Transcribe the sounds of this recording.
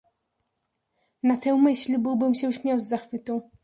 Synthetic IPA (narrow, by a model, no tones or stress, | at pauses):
nat̪ɛwmɘɕlʲbɘwbɘmɕɛwɕmʲɔwzʲzaxfɘt̪ɔ̃w̃